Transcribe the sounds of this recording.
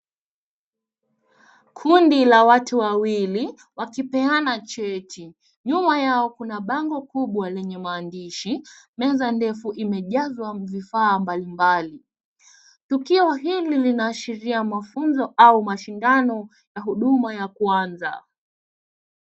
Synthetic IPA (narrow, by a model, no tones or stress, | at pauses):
kʰundilawatuwawili | wakipɛanat͡ʃɛtʰi | ɲumajaɔkunaɓaŋɡɔkuɓwalɛɲɛmaːndiʃimɛzandɛfuʔimɛʄazwavifaːmbalimbali | tukiɔɦililinaːʃiɾiamafunzɔʔaumaʃindanɔ | jaɦuɗumajakwanza̰